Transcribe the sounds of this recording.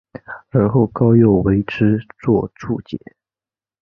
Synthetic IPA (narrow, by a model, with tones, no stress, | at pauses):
ə˧˥xo˥˩ʊkɑ˥ʊjo˥˩ʊwe˧˥ɪʈ͡ʂʰɻ̩˥t͡swɔ˥˧ʈ͡ʂʰṵ˥˩t͡ɕjɛ̰˨˩˦